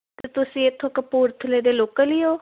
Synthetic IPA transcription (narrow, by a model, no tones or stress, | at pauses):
t̪ːt̪ʊsĩːɪt̪ʰːõːkəpuːɾt̪ʰəleːd̪eːloːkaliːoː